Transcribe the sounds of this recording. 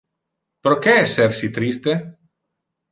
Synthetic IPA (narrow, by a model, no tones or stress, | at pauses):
pɾokeɛseɾsit̪ɾist̪e